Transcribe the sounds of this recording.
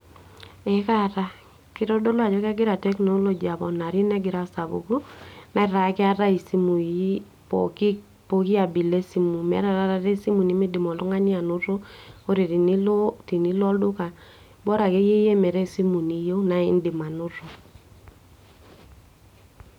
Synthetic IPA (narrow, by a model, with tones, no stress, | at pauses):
ɛ˨ka˦ɾa˦ | kɪ˦ɾɔ˦dɔ˦lɔ˦a˨d͡ʒɔ˦ka˦ɡɪ˦ɾa˨tɛ˦kno˦lo˨d͡ʒi˨a˨bɔ˨na˨ɾi˦nɛ˦ɡɪ˨ɾa˨sa˨bṵ˨ku˦na˨˦ɾa˨˦kɪ˦a˦ɾa˦i˨si˦mu˨˦ | pɔ̰˨kɪ˦ | po˨ki˦a˨bi˨le˦si˦mu˨mɛ̰˦ɾa˦˨ɾa˦ɾa˦ɾe˦si˦mu˨ni˦mɪ˦dɪ˨mɔ˨lʊ˦ŋa˦ɲɪ˦a˨nʊ˦ɾo˦o˦ɾi˨ti˨ni˦lɔ˦ldʊ˦ka˨ | bɔ˦ɾa˨ke˦je˦je˦mɛ˨ɾe˦˨si˦mu˨ni˨jo˦na˨ɪ̰˦ndɪ˨ma˨nʊ˦ɾo˨